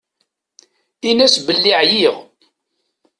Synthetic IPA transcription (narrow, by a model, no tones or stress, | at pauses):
inæsbəlːiʕjiʁ